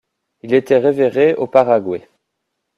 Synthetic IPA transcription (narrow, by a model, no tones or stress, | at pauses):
ilet̪ɛʁeveʁeopaʁaɡwe